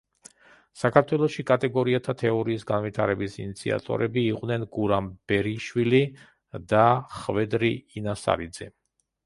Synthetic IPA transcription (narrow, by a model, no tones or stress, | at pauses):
sakʰaɾt̪ʰwɛlˠɔʃikʼat̪ʼɛɡɔɾiat̪ʰat̪ʰɛɔɾiːsɡanvit̪ʰaɾɛbisinit̪sʰḭa̰t̪ʼɔ̰ɾɛbiːqʼd̪nɛnɡuɾamb̥ɛɾiʃwili | d̪aχvɛd̪ɾiːnasa̰ɾid̪zɛ